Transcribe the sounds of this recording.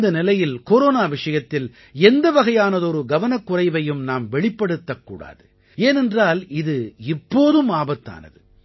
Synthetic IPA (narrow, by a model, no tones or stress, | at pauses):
d̪ɐnɪlɐjɪlkoːɾoːnaːʋɪʂɐjɐt̪ːɪl | ɛnd̪ɐʋɐɣɐjaːnɐðɔɾɯɡɐʋɐnɐkːʊrɐɪʋɐjɯmnaːmʋɛɭɪpːɐɽɯt̪ːɐkːṵːɽa̰ːðɯ | eːnɛndraːlɪðɯɪpːoːðɯmaːbɐt̪ːa̰ːnɐ̰ðɯ